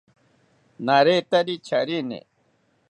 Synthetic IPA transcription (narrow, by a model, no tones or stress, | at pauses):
naɾet̪ɐɾit͡ɕʰaɾinḛ